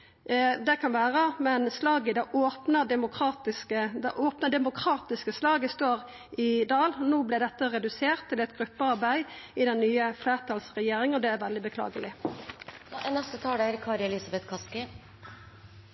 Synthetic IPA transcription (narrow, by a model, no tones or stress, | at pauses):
d̪ɛkʰɑnʋæːʁəmɛnslɑːɡəd̪ɑʔoːpnəd̪ɛmʊkʰʁɑːt̪ɪskəd̪ɛʔoːpnəɖ̪ɛmʊkʰɾɑːt̪ɪskəslɑːɡəst̪oːɾ | ɪd̪ɑːlnoːblɛd̪ɛt̪ːəɾɛd̪ʉseːʁt̪ʰːɪlɛt̪ɡɾʉpːəɑɾbæɪɪd̪ɛnːyːəfleːʁt̪ʰɑlsʁɛjeːɾɪŋəɔd̪ɛæɾʋɛld̪ɪbəkʰlɑ̰ːɡəlɪ | nɛst̪ət̪ʰɑːɖɛæɾkʰɑːɾɛlɪsɑbɛt̪kʰɑskɪ